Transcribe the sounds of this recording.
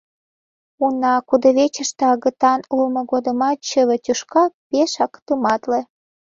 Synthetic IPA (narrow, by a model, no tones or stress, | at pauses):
unɑkud̪ə̆βet͡ɕə̆ʃt̪ĕɑɣə̆t̪ɑnulmŏɡod̪ə̆mɑt̪t͡ɕəβə̆t̪ʲuʃkɑpeʃɑkt̪əmɑt̪lĕ